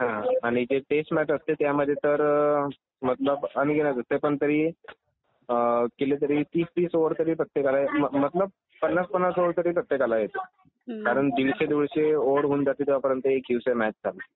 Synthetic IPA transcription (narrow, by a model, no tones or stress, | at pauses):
ɦãɦãaɽ̃id͡ʑeʈesʈmæʈəst̪et̪jaməd̪ʱːjet̪əɾ | mət̪ləbənɡenad͡zəst̪epəɳt̪əɾiː | kelet̪̬əɾiːt̪iːst̪iːsoʋəɾt̪əɾiːpɾət̪ːjekalajeəmət̪ləb̚ | pənːat͡spənːasoʋəɾt̪əɾiːpɾət̪ːjekalajet̪e | kaɾəɳd̪iʋɕed̪iʋɭɕeoəɽɦuːnd͡zat̪iːd̪eʋapəɾjənt̪əekjuʋsemæt͡ɕ̚d͡zʰʱale